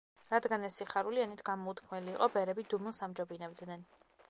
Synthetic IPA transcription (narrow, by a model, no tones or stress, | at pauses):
ɾad̪ɡanɛsːiχaɾulianit̪ʰɡ̥amɔut̪ʰkʰmɛliːqʼɔbɛɾɛbid̪umunsamd͡ʒɔbinɛvd̪nɛn